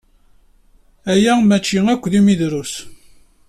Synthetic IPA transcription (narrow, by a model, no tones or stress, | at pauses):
æjæmæt͡ʃːiækʷːðimiðɾus